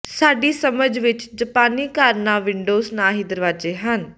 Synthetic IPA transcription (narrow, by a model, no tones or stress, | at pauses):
saːɖiːsəməd͡ʒʋɪt͡ʃd͡ʒəpaːniːkaːɾnaːʋɪɳɖoːznaːɦiːd̪əɾʋaːd͡ʒeːɦən